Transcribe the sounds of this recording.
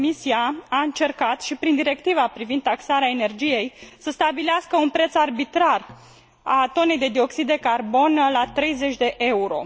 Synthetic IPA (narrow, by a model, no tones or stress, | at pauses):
misiaaɨnt͡ʃe̞rkat̪ʃipɾind̪iɾe̞k̚t̪ivapɾivind̪aksaɾeaene̞rd͡ʒije̞jsəst̪abileaskəunpɾe̞t̪sarbit̪ɾar | at̪o̞ne̞jd̪e̞d̪io̞ksid̪ːe̞karbo̞nlat̪ɾe̞jze̞t͡ʃʲd̪e̞ʔe̞uɾo̞